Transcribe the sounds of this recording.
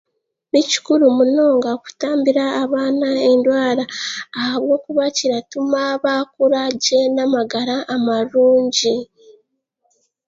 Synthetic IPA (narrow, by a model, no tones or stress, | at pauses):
nici̥kuɾumuno̞ːŋɡaku̥taːmbiɾaːβaːnaendwaːɾaːhaβwo̞ːkuβaciɾatumaβakuɾaɟenamaɡaɾaʔːmaɾuːɲɟi